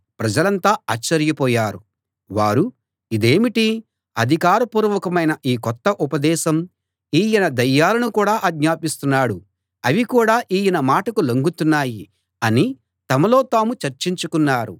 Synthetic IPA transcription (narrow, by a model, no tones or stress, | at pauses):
pɾɐd͡ʒɐlɐnt̪aːaːt͡ʃːɐɾjɐpɔːjaːɾu | ʋaːɾu | id̪e̞ːmiʈi | ɐd̪ʱikaːɾɐpuːɾʋɐkɐmɐjnɐʔiːkɔt̪ːɐʔupɐd̪ɛːʃɐm | iːjinɐd̪ɐjːaːlɐnukuːɽaːʔɐɡɲaːpist̪unːaːɽu | ɐʋikuːɽaːʔiːjinɐmaːʈɐkuloŋɡut̪unːaːji | ɐni | t̪ɐmɐlo̞ːt̪aːmut͡ʃɐɾt͡ʃiɲt͡ʃukunːaːɾu